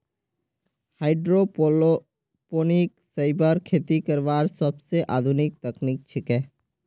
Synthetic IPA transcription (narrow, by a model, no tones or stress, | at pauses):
haːɪɖɾo | poːniksaɪbəɾkʰeːt̪ikəɾʋaːɾsəbseʔaːd̪ʱʊnɪk̚t̪ɐknik̚t͡ʃʰɪkɛ̃ː